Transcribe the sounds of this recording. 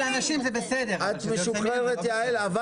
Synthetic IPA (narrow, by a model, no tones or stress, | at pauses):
lanaʃimzebesed̪eʁat̪meʃuχʁeʁet̪jaelava